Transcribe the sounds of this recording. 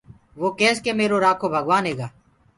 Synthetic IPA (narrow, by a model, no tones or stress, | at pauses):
ʋoːkeːskeːmeːɾoːɾaːkʰoːbʱəɠʋaːnɦeːɡaː